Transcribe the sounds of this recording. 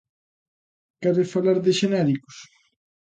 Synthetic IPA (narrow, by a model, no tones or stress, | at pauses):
kaɾefalaɾðɪʃenɛɾiko̥s